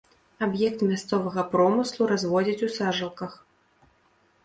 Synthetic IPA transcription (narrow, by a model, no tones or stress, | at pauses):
abjɛkt̪mʲast̪sɔvɐɣɐpɾɔmɨslˠuɾazvɔd͡zʲit͡sʲusaʐɐlˠkɐx